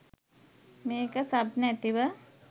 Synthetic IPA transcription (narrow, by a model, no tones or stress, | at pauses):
meːkəsabnəɛt̪iʋə